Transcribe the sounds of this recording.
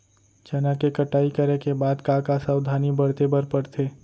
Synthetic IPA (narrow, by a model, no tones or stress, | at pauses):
t͡ʃɐnakekɐʈaːikəɾekebaːd̪kakasaʊd̪ʱaːnibəɽt̪ebəɾpəɾt̪ʰeː